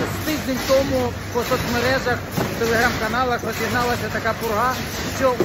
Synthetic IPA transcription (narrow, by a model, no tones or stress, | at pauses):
t̪ɪʒʲnʲɪnʲt̪ɔmʊ | pɔsɔt̪ʲmeɾɛʒɐxt̪ɛlˠeɦɾamkɐnalˠɐxzɐsʲiɦnalˠɐsʲɐt̪ɐkapʊɾɦa | t͡ʃʲɔ